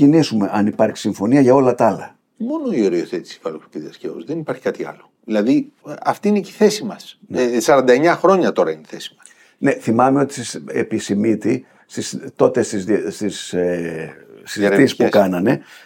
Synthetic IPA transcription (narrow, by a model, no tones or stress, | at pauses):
inisume̞ʔɐnipɐɾçi̥siɱfo̞niɐʝɐo̞lɐt̪ɐɐlɐ | mo̞no̞ioɾioθet̪i̥si̥vɐlokipiðiɐscevozðenipɐɾçi̥kɐt̪iɐ̰loðilɐðiɐft̪iineci̥θesimɐsnsɐɾɐnd̪ɐeɲɐxɾo̞ɲɐt̪o̞ɾɐineθesi̥mɐs | ne̞θimɐmeo̞t̪i̥sɐsḛpisimit̪i | st̪ist̪o̞t̪e̞st̪izðst̪iseː | it̪iispukɐnɐne̞